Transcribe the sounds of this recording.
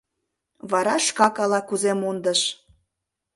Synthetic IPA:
βɑɾɑʃkɑkɑlɑkuzemund̪əʃ

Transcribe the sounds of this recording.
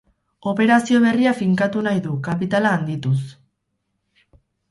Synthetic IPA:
o̞pe̞ɾasio̞β̞e̞riafiŋkat̪unajðukapit̪alaːnd̪it̪us

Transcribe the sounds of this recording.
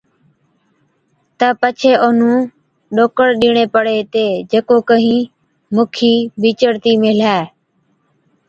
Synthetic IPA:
t̪əpət͡ʃʰeːʔonũː | ɗoːkəɽɗiːɳeːpəɽeːt̪eːd͡ʒekoːkəɦĩː | mʊːkʰiːbʱiːt͡ʃəɽt̪iːmɪːlaː

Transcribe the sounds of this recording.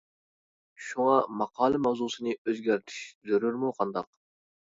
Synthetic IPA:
ʃuŋɑmɑqʰɑːlˠɨmɑwzusɨnɨøzɡʲæɾt̪ʰi̥ʃzøɾyɾmuqʰɑnd̪ɑq

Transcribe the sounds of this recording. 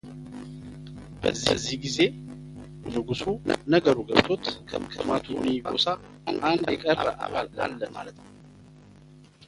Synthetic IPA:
b̥əzːḭzːihɡize̞ | nɨɡusunəɡəɾuɡəβt̪ʰo̞t̪kʰə̰mkʰɨmat̪ʰunibaosa | anand̪jɛkʼəɾbəʔaβald̪a̰lːəma̰lət̪n

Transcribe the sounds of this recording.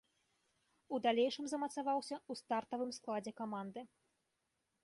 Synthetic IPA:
ud̪alʲejʂɨmzɐmɐt̪savawsʲɐust̪art̪ɐvɨmsklˠad͡zʲɛkamand̪ɨ

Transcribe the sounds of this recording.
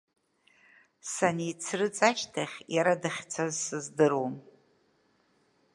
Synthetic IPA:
sanit͡sʰrɨt͡sʼaʃtʰaχʲjaɾadaχʲt͡sʰazsɨzdɨrom

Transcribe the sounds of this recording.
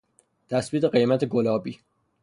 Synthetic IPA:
t̪ʰæsbiːt̪eɢe̞jmæt̪ʰeɡolɒːbiː

